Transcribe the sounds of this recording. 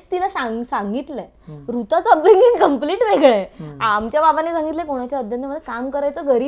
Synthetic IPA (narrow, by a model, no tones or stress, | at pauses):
st̪ilasasaŋɡit̪lɛ | ɾut̪at͡sɔpɾiŋɡiŋkəmpliʈʋeɡɭeamt͡ɕjababanesãŋɡit̪lɛkoɽ̃at͡ɕjaəd̪ʱjənt̪ʰːməd̪ːekamkəɾajt͡səɡəɾiː